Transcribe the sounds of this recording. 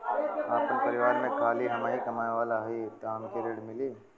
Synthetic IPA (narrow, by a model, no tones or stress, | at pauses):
aːpənpɐɾɪʋaːɾmẽkʰaːliɦɐmaːikɐmaːjʋaːlaɦit̪aːmkeɾeːɽmɪliː